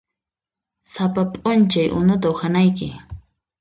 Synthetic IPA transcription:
sapapʼʊnt͡ʃajʔʊ̰nʊt̪̬aʊχanajkɪ

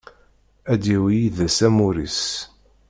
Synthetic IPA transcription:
æd̪iwijiðæsæmuɾḭs

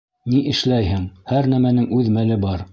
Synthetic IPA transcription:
niʔɘ̆ʃlæjhɘŋhæɾnæmænɘŋʉðmælɘbɑɾ

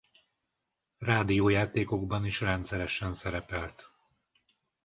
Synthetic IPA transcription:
raːd̪ijoːjaːt̪eːko̞ɡbɒniʃrɛnt̪sɛɾɛʃɛnsɛɾɛpɛlt̪

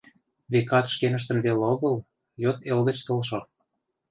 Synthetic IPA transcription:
βekɑt̪ʃkenə̆ʃ̬t̪ə̆nβeloɣɤ̆l | jot̪elɣə̆t͡ɕt̪olʃo

